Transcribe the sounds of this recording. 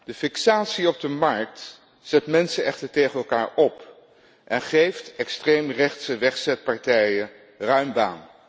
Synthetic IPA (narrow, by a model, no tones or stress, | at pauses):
d̥əfɪksaːtsiɔb̚dəmɑɹk̚t | z̥ɛtmɛnsəɛχtəɹtejχənɛlˠkaːɹɔp | ʔɛnχejftɛkstrejmrɛχtsəʋɛχsɛt̚pɑɹtɛjə | rœɥmba̰ːn